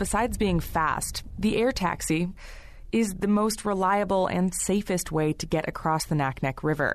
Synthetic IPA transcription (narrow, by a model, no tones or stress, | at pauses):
b̥ɨsaɪdzbiɪ̃ŋfæ̰stðiʔɛɹtʰæ̰ksi | ɪzðɨmoʊst̚ɹɪlaɪɨbl̩ˠɨ̰̃nseɪfɨst̚weɪɾɨɡɛɾʔɨ̰kʰɹ̥ɔsðɨnæk̚nɛkʰɹɪvə̰˞